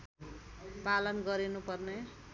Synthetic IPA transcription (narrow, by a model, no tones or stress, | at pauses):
palʌnɡʌɾinupʌrne